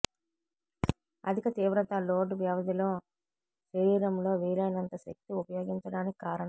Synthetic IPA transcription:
ɐ̰d̪ʱikɐt̪iːʋɾɐt̪ɐloːɖʋjɐʋɐd̪ilo̞ː | sɐɾiːɾɐmlo̞ːʋiːlɐjnɐnt̪ɐʃek̚t̪iupɐjo̞ːɡiɲt͡ʃɐɽaːnikikaːɾɐɳɐm

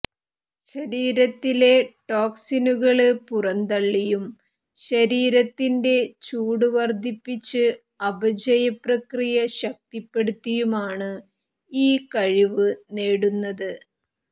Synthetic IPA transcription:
ɕɐɾiːɾɐt̪ːile̞ʈo̞ːksinuɣɐɭɨpurɐnd̪ɐɭːijum | ɕɐɾiːɾɐt̪ːinde̞t͡ɕuːɽuʋɐrd̪ʱipːit͡ɕːɨ | ɐbɐd͡ʑɐjɐprɐkrijɐɕɐk̚t̪ipːe̞ɽut̪ːijumaːɳɨ | iːkɐɻiʋɨneːɽunːɐðɨ

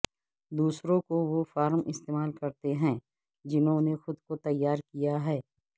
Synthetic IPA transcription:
d̪uːsɾõkoʋofaːɾmʔɪst̪eːmaːlkɐɾt̪eɦɛ̃ː | d͡ʒɪnɦõnexʊd̪kot̪ɐjːaːɾkijaɦɛː

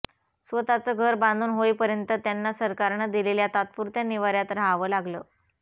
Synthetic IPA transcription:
sʋət̪at͡səːɡʱəɾbãnd̪ʱuːnɦoipəɾjənt̪ət̪janːasəɾkaɾɳəd̪ileljat̪at̪̚puɾt̪janiʋaɾjat̪ɾaaʋəːlaɡləː

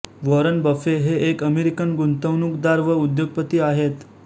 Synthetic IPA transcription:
ʋoɾənbəfeɦeʔːkəmeɾikənɡunt̪əʋnukd̪aɾʋəud̪joɡ̚pət̪iːaɦet̪

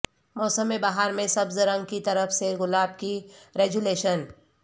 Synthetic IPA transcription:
mɔːsəmːẽbaːɦaɾmẽsɐbzɾɐ̃ŋɡ̚kit̪ɐɾəfseɣʊlaːb̚kiɾeːɡuleːʃən

